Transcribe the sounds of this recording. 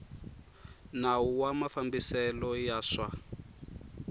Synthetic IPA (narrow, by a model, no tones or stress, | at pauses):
nawuwamafambisɛlɔjaʂa